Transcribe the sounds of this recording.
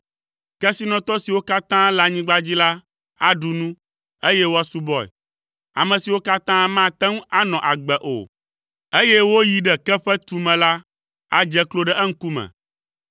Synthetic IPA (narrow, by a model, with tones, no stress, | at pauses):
kɛ˦si˦nɔ̃˨t̪ɔ˦si˨wo˦ka˦t̪ã˦la˨ɲĩ˦ɡ͡ba˦d͡ʑi˦la˦ | a˦ɖu˨nũ˦ | e˦jɛ˦wo˦a˦su˦bɔ˦ɛ̰˨ | a̰˨mɛ̃˨si˨wo˦ka˦t̪ã˦mã˦t̪ɛ˦ŋ˦a˦nɔ̃˨ʔa˨ɡ͡bɛ˨ʔo̰˨ | e˦jɛ˦wo˦ji˨ɖɛ˨kɛ˦ɸɛ˦t̪u˨mɛ̃˨la˦ | a̰˦d͡ʒɛ˦klo˦ɖɛ˦ʔɛ˦ŋ̩˦ku˦mɛ̰̃˨